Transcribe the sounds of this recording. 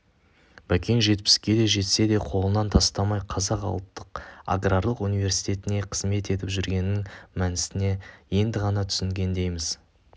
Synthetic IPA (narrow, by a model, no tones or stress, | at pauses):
b̥ækʲeŋʒe̞t̪̚pɪ̥skʲe̞d̪e̞ʒe̞t̪se̞d̪e̞qʰo̞lˠənɑnt̪ʰɑst̪ɑmɑjqʰɑzɑqɑ̰lˠt̪ːəqa̰ɡrarlˠəqunijve̞rsi̥jt̪ʲe̞t̪ɪne̞qʰəzme̞t̪e̞t̪ɪpʒʏɾɡʲe̞nɪːɪŋmænɪst̪ɪne̞je̞nd̪ɪʁɑnɑt̪ʰʏ̥sɪŋɡʲe̞nd̪e̞jmɪz̥